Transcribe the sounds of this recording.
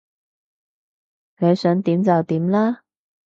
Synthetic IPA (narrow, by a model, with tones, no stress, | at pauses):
ne˨˧jsœː˨˥ŋt̪iː˨˥mt͡sɐ˨wt̪iː˨˥mlaː˥